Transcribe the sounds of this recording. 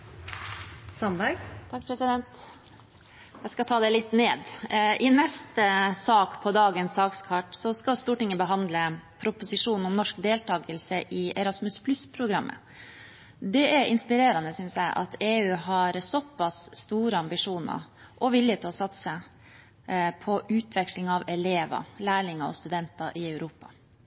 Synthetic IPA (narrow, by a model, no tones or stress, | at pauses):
sɑnbæɡt̪ʰɑkpʰɾɛsɪd̪ɛnt̪ | æskɑt̪ʰɑːd̪ɛlɪt̪neːd̪ʔɪnɛst̪əsɑːkpʰɔd̪ɑːɡənsɑːkskʰɑʈsɔskɑst̪uːʈɪŋːəbəɦɑnd̪ləpʰɾʊpʊsɪʂuːnn̩ʊmnɔʂkd̪eːlt̪ʰɑːɡəlsəʔɪʔɛɾɑsmʉspʰlʉspʰɾʊɡɾɑmʔə̰ | d̪ɛʔæɾɪnspɪɾeːɾɑnəsʏnsjæɪʔɑ̰t̪ʰeːʉːɦɑɾsɔpːɑsːt̪uːɾəɑmbɪʂuːnɑ̰ɾ | ʔɔʋɪlːjət̪ʰɪlɔsɑt̪sə | pʰɔʔʉːt̪ʰʋɛkʂlɪŋɑʋɛleːʋɑ̰læːɭɪŋɑɔ̰st̪ʉd̪ɛnt̪ɑʔɪæʉɾuːpɑ̰